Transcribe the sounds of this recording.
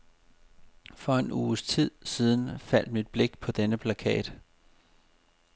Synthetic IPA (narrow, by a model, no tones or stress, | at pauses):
fɒ̽e̝nuːst͡sʰið̞̰ˠsiːð̞ˠn̩fæl̰d̥mid̥̚b̥le̝ɡ̥pʰɒ̽d̥enəpʰlækʰɛ̰ːd̥